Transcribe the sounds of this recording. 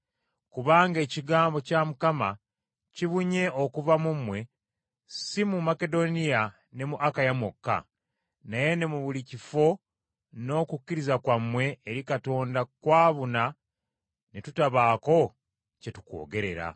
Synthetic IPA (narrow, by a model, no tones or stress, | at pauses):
kuβaːŋɡe̞ːciɡaːmbo̞camukama | ciβuɲe̞ʔo̞kuvamumwe̞ | simumake̞do̞nija | ne̞muʔakajamokːa̰ | naje̞ne̞muβulicifo̞ | no̞kucːiɾizakwamwe̞ːɾikato̞ːndakwaːβuna | netutaβaːko̞ | ce̞tu̥ko̞̰ːɡe̞ɾe̞̰ɾa̰